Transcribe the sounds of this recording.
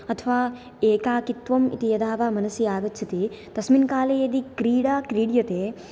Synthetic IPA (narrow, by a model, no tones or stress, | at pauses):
ɐt̪ʰɐʋaː | eːkaːkit̪ʋɐmḭt̪ijɐd̪aːʋaːmɐnɐsiaːɡɐtːt͡ʃʰit̪it̪ɐsminkaːlejed̪ikɾiːɽaːkɾiːɽjɐt̪eː